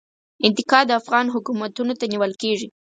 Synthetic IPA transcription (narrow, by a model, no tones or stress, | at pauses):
ɪnt̪ɪkɑd̪əafɣɑnɦʊkumat̪unot̪aniwəlkeʐi